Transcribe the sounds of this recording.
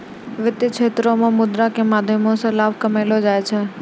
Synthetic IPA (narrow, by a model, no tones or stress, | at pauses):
ʋɪt̪jɪt͡ʃʰeːt̪ɾõmẽmʊd̪ɾakemaːd̪ʱjəmõsẽlaːbʱkəmeːlod͡ʒaːet͡ʃʰɛː